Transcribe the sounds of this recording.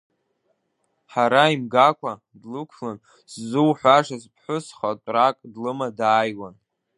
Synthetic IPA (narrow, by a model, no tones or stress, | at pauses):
ħaɾaimɡakʷʰa | dlɨkʷʰlan | sːuwħʷaʂaspʰħʷʊsχatʷʼrakʼdlɨmadaːjwan